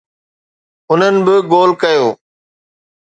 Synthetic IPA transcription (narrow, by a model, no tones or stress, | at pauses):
ʊn̤ənɪ̆bɪɡoːlkɐjoː